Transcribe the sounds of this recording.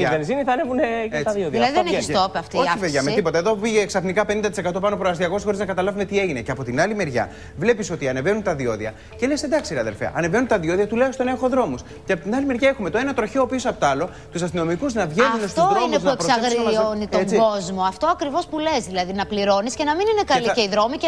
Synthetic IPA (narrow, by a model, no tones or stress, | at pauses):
ienzimiθɐnevuneet̪ɐðioðilɐðiðeneçist̪opɐft̪ioɐipeðʝɐmet̪ipot̪ɐeðo̞piʝeːksɐfnikɐpenind̪ɐt̪ise̞kɐt̪o̞pɐnoɐpooɐst̪iɐko̞se̥xo̞ɾiznɐkɐt̪ɐlɐvume̞t̪ie̞ʝine̞ceɐpo̞t̪inɐlime̞ɾʝɐ̰ | vle̞pisot̪iɐne̞venunt̪ɐðio̞ðiɐ̰ | cele̞send̪ɐksiiɾeɐðe̞lfḛɐ̰ʔɐne̞ve̞nunt̪ɐðio̞ðiɐt̪uleost̪onexo̞ðɾo̞mus | ceɐpot̪inɐlimeɾʝae̞xume̞t̪oe̞nɐt̪ɾo̞çeoːpiosɐpot̪oɐlo̞ | t̪usɐst̪ino̞mikuznɐvʝenunest̪oɾinesuɐepɾosɐɣɾonit̪oet͡siɡo̞zmo̞ɐft̪o̞ɐkɾivo̞spule̞zðilɐðinɐpliɾo̞niscenɐminine̞kɐlieiðɾo̞mie